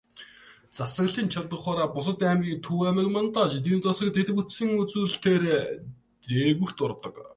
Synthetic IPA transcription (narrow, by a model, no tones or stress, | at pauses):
t͡sasə̆kɮiːnt͡ɕʰat̪ə̆χɔːɾaːpʊsə̆t̪æːmɡʲiːkt̪ʰuæmə̆kmant̪ɔt͡ɕit̪̬iːmt͡sɔsə̆k̚t̪ʰet̪ɘ̆kut̪sĭŋut͡suːɬt̪ʰeːɾ | eɣɘ̆kt̪ʊrt̪ɞ̆k